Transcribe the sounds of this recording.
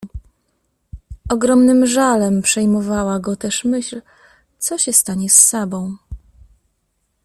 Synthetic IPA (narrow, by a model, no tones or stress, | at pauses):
ʔɔɡɾɔmnɘmʐalɛmpʂɛjmɔvawaɡɔt̪ɛʂmɘɕl | t̪sɔɕɛst̪aɲɛsːabɔ̃w̃